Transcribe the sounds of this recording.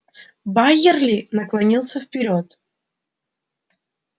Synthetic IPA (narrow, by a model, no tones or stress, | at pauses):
bajɪrlʲɪnəklˠɐnʲilˠsʲəfpʲɪɾʲo̞t̪